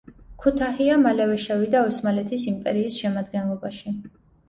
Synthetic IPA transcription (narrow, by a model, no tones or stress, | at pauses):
kʰut̪ʰahiamalɛvɛʃɛvid̪aɔsmalɛt̪ʰisimpʼɛɾiːsʃɛmad̪ɡɛnlˠɔbaʃi